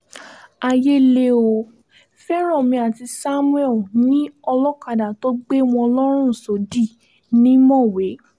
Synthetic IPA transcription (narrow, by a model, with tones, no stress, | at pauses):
a˧je˦le˦o˧ | fɛ˦ɾ̃ɔ˦˨mĩ˧a˨ti˧sa˦mũ˦ɛ˦˨nĩ˨˦ɔ˧lɔ˦ka˧˨da˨to˦ɡ͡be˦w̃ɔ̃˧ɔ˧lɔ˦ɾ̃ũ˦˨so˨˦di˦˨ | nĩ˦mɔ̃˦˨we˨˦